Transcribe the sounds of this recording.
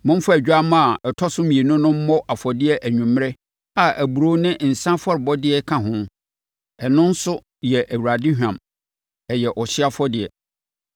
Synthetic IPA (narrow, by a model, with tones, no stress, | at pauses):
mʊ̃˦m˦fa˦æ˨d͡ʑᶣa˦mã˦a˨ɛ˨tʰɔ˦sʊ̃˦mĩ˨e˨nʊ̃˦nʊ̃˦m̩˦mɔ˦ʔa˨fɔ˨dɪ˦ɛ˦ʔæ˨ɲᶣũ˨m˦ɾɛ˦ | a˨ʔæ˨bu˨ɾo˦nɪ̃˦n̩˨sã˦fɔ˦ɾɪ˨bɔ˦dɪ˦ɛ˦kʰã˨ɦʊ̃˦m˦ | ɛ˨nʊ̃˦n̩˦sʊ˦ | jɛ˨ʔæ˨wu˨ɾa˨dɪ˦ɦᶣã˨m | ɛ˨jɛ˨ʔɔ˨ɕɪ˦a˦fɔ˦dɪ˨ɛ̰˨